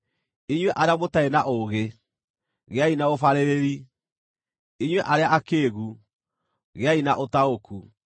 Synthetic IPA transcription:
iɲwɛʔaɾeamotaenaʔoɣe | ɣeainaofaɾeɾeɾi | iɲwɛʔaɾeaʔakeːɣu | ɣeainaʔotaoku

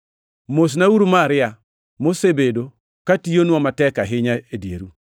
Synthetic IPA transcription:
mos̬nauɾumaɾɪja | mosebedo | katijonwɔmatɛkaɦɪɲaedjḛɾu

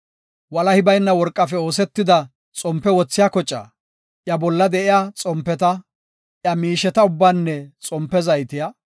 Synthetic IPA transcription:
wɐlɐhɪbɐjnːɐwɔɾkʼːɐfɛo̞ːsɛt̪ːɪd̪ɐ | t͡sʼɔmpːɛwɔt͡sːɪjaːkɔt͡ʃʼːa̰ː | ʔjɐbɔlːɐd̪ɛɪjat͡sʼɔmpːɛt̪ɐ | ʔjɐmiːʃɛt̪ɐʊbːaːnːɛt͡sʼɔmpːɛzɐjt̪ɪja

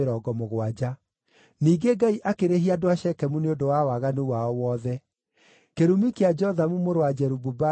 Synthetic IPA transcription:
ɾɔːɡɔmoɣwad͡ʒa | niːɡeɡaiʔakeɾeɦiadoaʃɛkɛmuneodowawaɣanuwaɔwɔːðɛ | keɾumikead͡ʒɔðamumoɾoad͡ʒɛɾububa

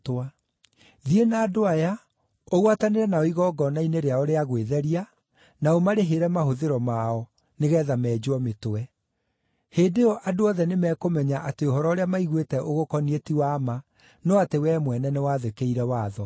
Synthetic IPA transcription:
toa | ðienaːdoaja | oɣwataneɾɛnaɔiɣɔɡɔnaineɾeaoɾeaɣweðɛɾia | naomaɾeɦeɾɛmaɦoðeɾɔmaɔ | neɣɛːðamɛːd͡ʑwɔmetoɛ | heːdeɔʔadoɔðɛnemɛːkomɛɲaʔateohɔɾɔoɾeamaiɣwetɛʔoɣokɔnietiwaːma | nɔatewɛːmwɛnɛnewaːðekeiɾɛwaːðɔ

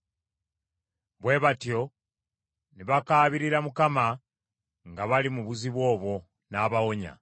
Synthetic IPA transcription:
βwe̞βatjo̞ | niβakaːβiɾiɾamukama | ŋɡaβalimuβuziβwo̞ːβwo̞ | naβawo̞ɲa̰

